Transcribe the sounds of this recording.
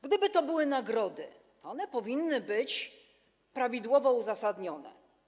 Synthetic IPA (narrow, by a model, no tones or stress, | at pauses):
ɡd̪ɘbɘt̪ɔbɘwɘnaɡɾɔd̪ɘ̰ | t̪ɔɔnɛpɔvʲinːɘbɘt͡ɕ | pɾavʲid̪wɔvɔuzasad̪ɲɔnɛ̰